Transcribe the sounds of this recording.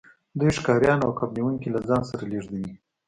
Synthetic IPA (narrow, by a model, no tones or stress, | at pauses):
d̪ujʂkɑɾjɑnawkabniwuŋkilazɑnsaɾaleʐd̪awi